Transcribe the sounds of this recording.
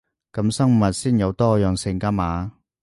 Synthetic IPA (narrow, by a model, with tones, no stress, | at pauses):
kɐ˨˧˥msɐ˥ŋ˨mɐ˨t̚siː˥njɐ˨˧wt̪ɔː˥jœː˨ŋsɪ˨˩ŋkaː˥maː˨˥